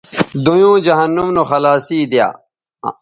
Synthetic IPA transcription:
d̪ujõːd͡ʑɐɦɐnːumnuxɐlaːsiːd̪ija̰ː

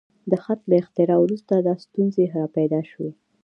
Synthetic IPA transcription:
d̪əxat̪laɪxt̪ɪɾɑwɾust̪ad̪ɑst̪unzeɦɾɑpajd̪ɑʃwe

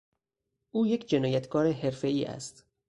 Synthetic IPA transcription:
ʔuːjekʰd͡ʒe̞nɒːjæt̪ʰɡɒːɾeɦe̞ɾfe̞iːʔæ̰st̪

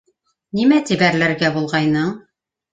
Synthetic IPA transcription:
nimæt̪ibæɾlæɾɡæbulˠʁɑjnɤɴ

